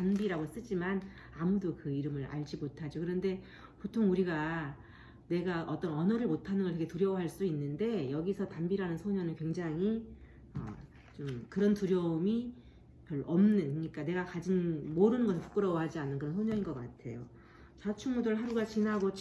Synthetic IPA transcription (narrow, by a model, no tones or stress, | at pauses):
tanbiɾaɡos͈ɯd͡ʑiman | amudokɯiɾɯmɯɾa̰ɭd͡ʑimotʰad͡ʑokɯɾʌnde̞ | potʰoŋuɾiɡa | ne̞ɡaʔʌt͈ʌnʌnʌɾɯɭmotʰanɯnɡʌɭtʰeɡe̞tuɾjʌwɦaɭs͈uinːɯnde̞jʌɡisʰʌtambiɾanɯnsʰoɲʌnɯnkwe̞ŋd͡ʑaŋi | ʌ̰ | t͡ɕomkɯɾʌntuɾjʌumi | kjʌɭʌmnɯnɯɲik͈ane̞ɡakad͡ʑinmoɾɯnɯnɡʌsʰpu̥k͈ɯɾʌwʌɦad͡ʑianːɯnkɯɾʌnsʰoɲʌŋinɡʌk͈atʰe̞̰jo | t͡ɕat͡ɕʰuŋmodɯɭɦaɾuɡat͡ɕinɦaɡot͡ɕ